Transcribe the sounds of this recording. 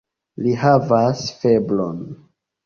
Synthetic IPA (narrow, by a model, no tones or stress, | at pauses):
liɦavasfeblo̰n